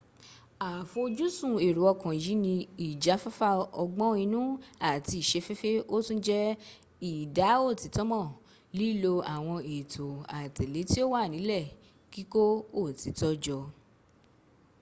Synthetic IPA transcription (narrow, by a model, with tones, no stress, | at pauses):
a˨fo˦˧o˧d͡ʒu˦sũ˦˨e˨ɾu˨˦ɔ˧kã˨ji˨˦nĩ˧i˨d͡ʒa˨˦fa˦fa˦ɔ˧ɡ͡bɔ̃˦ĩ˧nũ˦a˦˨ti˧i˨ʃe˧fe˦fe˦o˦tũ˦d͡ʒɛ˦ | i˨da˨˦o˦˨ti˨˦tɔ˦mɔ̃˦˨ | li˨˦˨lo˧a˨w̃ɔ̃˧e˨tʰo˨a˨tɛ˨le˨˦ti˦o˦wa˦˨nĩ˨˦lɛ˦˨ | ki˦ko˦o˦˨ti˨˦tɔ˦d͡ʒɔ˧